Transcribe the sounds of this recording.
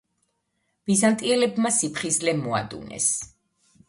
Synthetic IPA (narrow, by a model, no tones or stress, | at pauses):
b̥izant̪ʼiɛlɛbmasipʰχislɛmɔa̰d̪ṵnɛ̰s